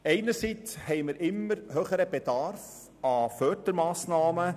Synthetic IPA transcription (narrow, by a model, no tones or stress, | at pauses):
ɛɪnəɾsit͡shɛɪməɾʔɪmːəɾhøːχəɾəb̥ɛd̥ɑɾf | ɑfœːdəɾmɑːsnɑːmə